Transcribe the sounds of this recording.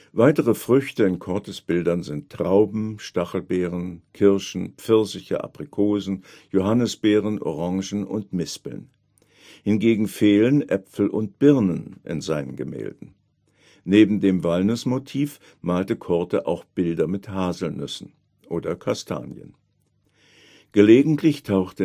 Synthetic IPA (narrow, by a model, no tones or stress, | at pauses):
vaɪtəʁəfʁ̥ʏçtəɪnkʰɔɐtəsb̥ɪldɐnzɪntʰːʁ̥aʊbm̩ʃtaχl̩bɛːʁənkʰɪɐʃn̩pp͡fɪɐsɪçə̰ʔa̰pʁ̥ikʰoːzn̩ | joɦanəsb̥ɛːʁənʔɔ̰ʁɑ̃ŋʒn̩ʊ̰ntmɪspl̩n | hɪnɡeːɡŋ̩feːlənʔɛpfl̩ʔʊnt̚b̥ɪʁnənʔɪ̰nzaɪnənɡəmɛ̰ːldn̩ | neːbm̩deːmvalnʏsmotʰiːf | maːltəkʰɔɐtəʔa̰ʊxb̥ɪldɐmɪthaːzl̩nʏsn̩ | ʔoːdɐkʰastʰa̰ːnjə̰n | ɡ̥əleːɡŋ̩tʰlɪçtʰaʊxtə